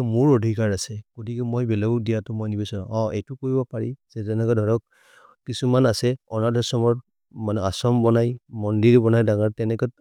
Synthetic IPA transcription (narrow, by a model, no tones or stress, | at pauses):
mʊɹodʱikaɹasɛɡ̥otikɛmojbɛlɔɡudijatʊmojnibɛsɔɹã̰ɔejtʊkoɹibɔpaɹizɛtɛnɛkɔdʱɔɹɔk̚ | kisumanasɛɔnadʱɔsɔmɔɹ | manɛasɔmbɔnajmɔndiɹbɔnajdaɡaɹtɛnɛkɔt